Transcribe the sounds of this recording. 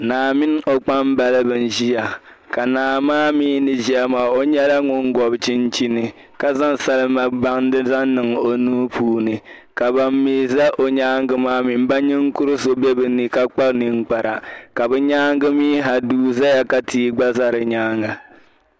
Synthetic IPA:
naː˨mɪ˦n˦o˨k͡pa˦m˦ba˨lɨ˦bɨ˨n̩˦ʒi˦ja˨ | ka˨naː˨maː˦miː˦nɨ˨ʒi˦a˦maː˨o˦ɲɛ˦la˦ŋʊ˦ŋ˦ɡɔ˨bt͡ʃi˦nt͡ʃi˦nɨ˨ | ka˨za˦ŋsa˦lɨ˦ma˨ba˦ŋ˦dɨ˦za˦n˦nɨ˨ŋo˨nuː˦pʰuː˦nɨ˨ | ka˨ba˨mːiː˦za˦ʔo˨ɲaː˦ŋ˦ɡɨ˦maː˦mi˨m˦ba˦ɲɪ˦ŋ˦kʊ˦ɾɨ˦so˦bɛ˦bɨ˨nɨ˨ka˦k͡pa˦knɨ˦ŋ˦k͡pa˨ɾa˨ka˨bɛ˦ɲaː˦ŋɡɨ˦miː˦ɦa˨duː˦za˦ja˨ka˨tʰiː˦ɡ͡ba˦za˦ɾɨ˨ɲaː˦ŋa˨

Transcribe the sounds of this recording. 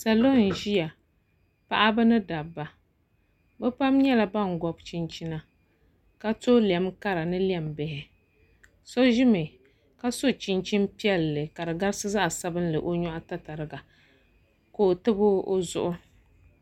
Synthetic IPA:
sa˨lo˦˨n˨ʒi˦ja˨ | pa˦ʔa˦bɨ˦nɨ˦da˨bːa˨ | bɛ˦pa˦mɲɛ˦la˨ba˦˨ŋ˨ɡɔ˨bt͡ʃi˦nt͡ʃi˦na˦ | ka˦to˦li˨ɛ˨mka˦ɾa˨nɨ˦li˦ɛ˦mbɪ˨hɪ˨ | so˦ʒɪ˦mɨ˨ | ka˦so˦t͡ʃi˦nt͡ʃi˦n˦pi˦ɛ˦lːɨ˨ka˨dɨ˨ɡa˦ɾsɨ˦za˦ʔa˨sa˦bɨ˦n˦lɨ̰˨ʔo˦ɲɔ˦ʔa˦ta˦ta˨ɾɨ˨ɡa˨ | ko˨tɨ˦bʊ˦o˦zʊ̰˦ʔʊ˦

